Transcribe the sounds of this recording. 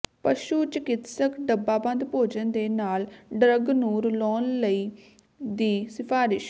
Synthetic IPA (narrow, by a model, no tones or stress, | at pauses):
pəʃuːt͡ʃəkɪt̪səkɖəbːaːbə̃nd̪poːd͡ʒənd̪eːnaːlɖɾəɡnũːɾʊlɔːnləiː | d̪iːsɪpʰaːɾɪʃ